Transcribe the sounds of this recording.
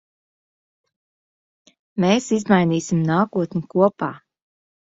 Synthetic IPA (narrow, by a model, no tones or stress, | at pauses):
meːsizmajniːsimnaːkuɔt̪nʲikuɔpa̰ː